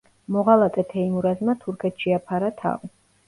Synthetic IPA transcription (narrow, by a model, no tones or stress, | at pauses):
mɔʁalˠat̪ʼɛt̪ʰɛimuɾazmat̪ʰuɾkʰɛt̪ʰʃiapʰaɾat̪ʰa̰v